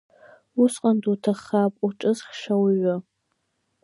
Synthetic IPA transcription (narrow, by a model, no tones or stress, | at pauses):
usqʼandutʰaχapʼuʈ͡ʂʼɨzχʃawɥʊ